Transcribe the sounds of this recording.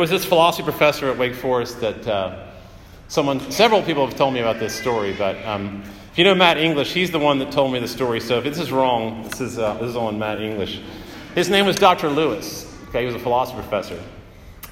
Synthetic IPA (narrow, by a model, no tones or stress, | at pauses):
ɪwʌzðɪsfəlɑsəfipʰɹ̥əfɛsə˞ɨt̚weɪkfɔɹɨs̚ðɨt̚ʌ | sʌ̃mwʌ̃nsɛvɹl̩ˠpʰipl̩ˠəv̥tʰoʊlˠd̚miɨbaʊt̪̚ðɪstɔɹibʌt̚ʌ̃m | ɪfjɨnoʊmæɾɪ̃ŋɡlɨʃhizðəwʌ̃nðɨtʰoʊlˠd̚miðɨstɔɹisoʊɨfðɪsɨzɹɔ̃ŋðɪsɨzʌðɪsɨzn̩mæɾɪ̃ŋɡlɨʃ | hɨznẽɪ̃mwʌzdɑk̚tə˞lʉəs | kʰeɪhiwʌzəfəlɑsə̥fipʰə̥fɛsə˞